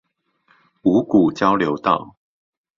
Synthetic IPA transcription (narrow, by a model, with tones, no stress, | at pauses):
u˨˦ku˨˩t͡ɕjɑ˦ʊljo˨˦ʊt̪ɑ˥˨ʊ